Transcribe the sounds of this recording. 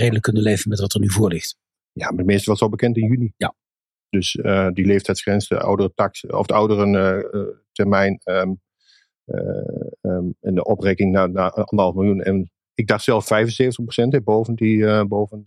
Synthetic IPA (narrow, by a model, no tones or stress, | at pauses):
rejdələkːɵnəlejvənmɛtʋɑtərnyvʊːɹlɪxt | jaːmadəmɪːstəʋɑsolˠbəkɛntɪnjylija | d̥øsədileːftʰɛjtsχrɛnsdə̰a̰wdərətɑksɔ̰fdəʌwdərə | tʰɛrmɛjnə | ɛndəʔɔprekɪŋnaːnaʔɑ̰ndərɦɑlˠfmɪlˠjunɛ̰n | ɪɡ̚dɑχtsɛlˠfːɛjfvənseːvəntəχprosɛntɛboːvəndibowvən